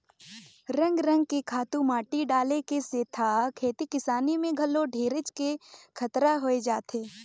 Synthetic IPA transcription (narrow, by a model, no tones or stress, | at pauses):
ɾə̃ŋɡɾə̃ŋɡ̚kikʰaːt̪ũmaːʈiɖaːlekeseːt̪ʰakʰeːt̪ikɪsaːnimẽɡʱɐlːoɖʱeːɾɪt͡ʃkekʰɐt̪ɾaɦoːed͡ʒaːt̪ʰeː